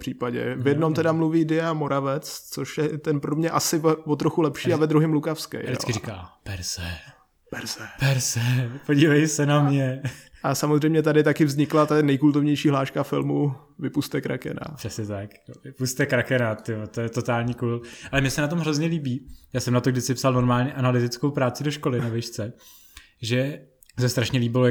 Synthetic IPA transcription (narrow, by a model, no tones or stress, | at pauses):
pr̥iːpaɟɛ̰vjɛdno̞mt̪ɛdamluviːdɪjamo̞ɾavɛt͡st͡so̞ʃjɛt̪ɛnpɾomɲɛʔasɪvvot̪ɾoxulɛpʃiːavɛd̪ɾuɦɪmlukafskɛ̰jdɪɪ̰kkɾikaːpɛɾzɛ | pɛɾzɛpɛɾzɛpoɟiːvajsɛnamɲɛʔasamozrɛjmɲɛt̪̬adɪt̪akɪvzɲɪklat̪anɛjkult̪ovɲɛjʃiːɦlaːʃkafɪlmu | vɪpust̪ɛkɾa̰kɛ̰na̰pr̥ɛsɲɛt̪ak | vɪpust̪ɛkɾakɛnat̪ɪot̪ojɛt̪ot̪aːlɲikuːlʔalɛmɲɛsɛnat̪omɦɾozɲɛliːbiːjaːsɛmnat̪oɡdɪt͡sɪpsalno̞ɾmaːlɲɛʔanalɪt̪ɪt͡skowpɾaːt͡sɪdoʃkolɪnavɪʃt͡sɛ | ʒɛ | sɛst̪ɾaʃɲɛliːbɪlo